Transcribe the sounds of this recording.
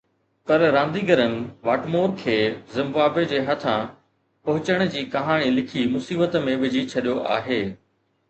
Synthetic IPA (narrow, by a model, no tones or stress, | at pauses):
pɐɾɾãːnd̪iɡɐɾənɪ̆ʋaːʈmoːɾkʰeːzɪ̃mbaːbed͡ʑeːɦɐt̪ʰã | pɐɦʊt͡ɕəɽ̃̆d͡ʑiːkɐɦaːɽ̃ilɪkʰimʊsiːbət̪mẽʋɪd͡ʑʱit͡ɕʰɐɗijoʔa̰ːɦeː